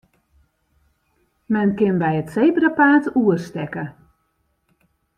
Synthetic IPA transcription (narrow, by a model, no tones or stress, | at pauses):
mɛnkɪnbɛjətsejbrapaːtuərstɛkə